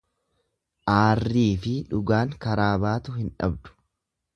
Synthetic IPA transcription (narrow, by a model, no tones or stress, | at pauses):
ʔaːrːiːfɪᶑʊɡaːŋkɐɾaːbaːt̪ʊhɪnᶑɐ̰bd̪ʊ̥